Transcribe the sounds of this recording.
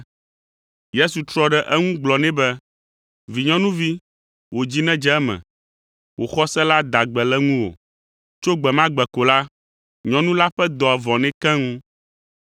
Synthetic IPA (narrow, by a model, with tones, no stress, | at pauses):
je˦su˨t̪ɾɔ˦ɖɛ˨ʔɛ˦ŋũ˦ɡ͡blɔ˨nɛ̃˦bɛ˦ | vi˨ɲɔ̃˦nũ˦vi˦ | wo˨d͡ʑi˦nɛ̃˦d͡ʒɛ˦ɛ˦mɛ̰̃˨ | wo˨xɔ˦sɛ˦la˦d̪a˨ɡ͡bɛ˨lɛ˦ŋũ˦wo̰˨ | t͡ʃo˦ɡ͡bɛ˨mã˦ɡ͡bɛ˨ko˨la˦ | ɲɔ̃˨nũ˦la˦ɸɛ˦d̪ɔ˨ɛ˨vɔ̃˨nɛ̃˦kɛ̃˦ŋũ˦